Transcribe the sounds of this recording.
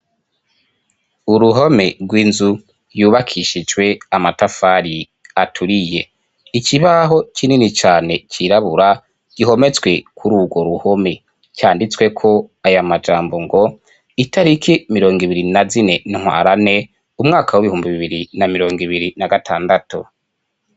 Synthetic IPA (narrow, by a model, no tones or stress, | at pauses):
uɾuɦo̞me̞ɾɡwiːnzu | juːβakʰiʃid͡ʒwe̞amatafaɾi | atʰuɾije̞ | icʰiβaɦo̞cininit͡ʃaːne̞cʰiɾaβuɾa | ɟ̥iɦo̞me̞t͡swe̞kʰuɾuːɡwo̞ɾuho̞me̞ | cʰaːndit͡swe̞kʰo̞ajamad͡ʒaːmbo̞ŋɡo̞ | itʰaɾikʰimiɾo̞ːŋɡiβiɾinazine̞nŋ̥wa̰ːɾane̞ | umŋaːkʰawiβihuːmbiβiβiɾinamiɾo̞ːŋɡiβiɾinaɡatʰaːndatṵ